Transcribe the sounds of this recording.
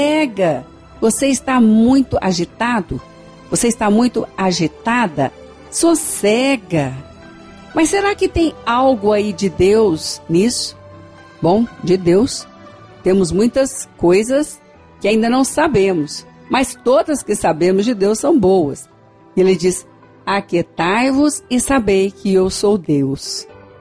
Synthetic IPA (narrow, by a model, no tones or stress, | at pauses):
sɛɡɐ | voseɪst̪amũj̃t̪ʊʔa̰ʒit̪ad̪ʊ | voseɪst̪amũj̃t̪ʊaʒit̪ad̪ɐ̰ | sosɛɡɐ | mɐsːeɾakɪt̪ẽj̃awɡʊaid͡ʒɪd̪ewznisʊ̥ | bõw̃d͡ʒɪd̪ews | t̪ẽmʊzmũj̃t̪ɐskojzɐs | kɪaĩnd̪ɐnɐ̃w̃sabẽmʊs | mɐst̪od̪ɐskɪsabẽmʊzd͡ʒɪd̪ewsːɐ̃w̃bowɐ̰s | elɪd͡ʒis | aket̪ajvʊzɪsabejkɪewsowd̪ews